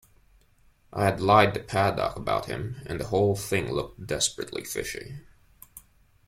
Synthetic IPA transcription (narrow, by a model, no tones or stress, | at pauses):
ʔaɪɨdˡlaɪd̪̚ðɨpʰædɑ̰kəbaʊt̚hɨ̰̃mɨ̰̃nðəhoʊlˠθɪ̃ŋlʊk̚td̥ɛspɹɨtˡlḭfɪʃḭ